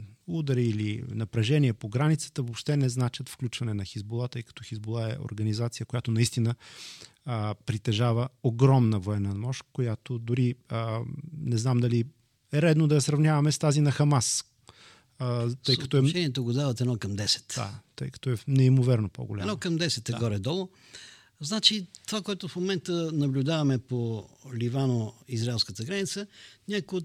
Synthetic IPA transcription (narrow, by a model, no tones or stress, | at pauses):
ud̪əɾiilinɐpɾɐʒɛniɛpoɡɾanit̪sə̥t̪əvopʃt̪ɛnɛznat͡ʃət̪fklʲut͡ʃvɐnɛnɐxizbulˠat̪ɤjkɐ̥t̪ɔxizbulˠaɛ̰o̰ɾɡɐnizat̪sijəkojat̪onɐist̪inə | pɾit̪ɛʒavəoɡɾɔmnəvoɛnəmɔʃkojat̪od̪ʊɾiənɛznamd̪ɐli | ɛɾɛd̪nod̪ɐjɐsɾɐvnʲjavɐmɛst̪azinɐxɐmas | t̪ɤjkɐt̪ɔɛt͡ʃɛnʲiɛt̪oɡod̪avət̪ɛnɔkɐmd̪ɛsɛ̥t̪d̪a̰t̪əjkɐ̥t̪ɔɛnɛimovɛɾnopo̰ɡo̰lʲaɛmnɔkɐmd̪ɛsɛt̪ɛɡɔɾɛd̪ɔlˠo | znat͡ʃit̪ovakoɛt̪ʊfmomɛnt̪ənɐblʲʊd̪avɐmɛpolivanoizɾaɛlˠskət̪əɡɾanit̪sənʲakʊjo